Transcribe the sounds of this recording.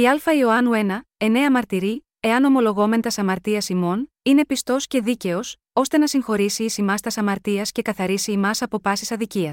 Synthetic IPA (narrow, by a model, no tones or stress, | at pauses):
iɐlfɐio̞ɐnue̞nɐe̞ne̞ɐmɐɾt̪iɾi | e̞ɐno̞mo̞lo̞ɣo̞me̞nt̪ɐsɐmɐɾt̪iɐsimo̞n | ine̞pist̪o̞sce̞ðice̞o̞s | o̞st̪e̞nɐsiŋxo̞ɾisiːsimɐst̪ɐsɐmɐɾt̪iɐsce̞kɐθɐɾisiːmɐsɐpo̞pɐsisɐðiciɐs